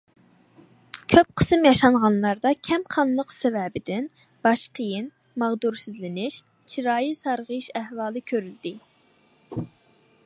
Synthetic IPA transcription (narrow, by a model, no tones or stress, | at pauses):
kʲʰøp̚qʰə̥sɨmjɑʃɑnʁɑnlˠɑɾd̪ɑkʲʰɛmqʰɑnlˠəqsɛvɛbɪd̪ɪn | bɑʃqʰəjɪn | mɑʁd̪uɾsɪzlɪnɪʃ | t͡ʃʰiɾɑːjisɑɾʁəʃæhvɑːlˠɨkʲʰøɾyld̪ɪ